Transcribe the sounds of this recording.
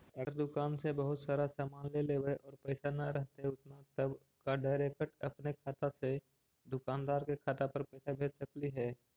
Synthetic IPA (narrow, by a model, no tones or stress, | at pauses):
ɐɡəɾd̪ʊkaːnsebəɦʊt̪saːɾasaːmaːnleleːbeʔɔːɾpɛːsanɐɾəɦt̪eɦʊt̪nat̪əb | kaɖaːɪɾeːkəʈɐpnekʰaːt̪ase | d̪ʊkaːnd̪aːɾkekʰaːt̪apɐɾpɛːsabʱeːd͡ʒsəkliɦɛː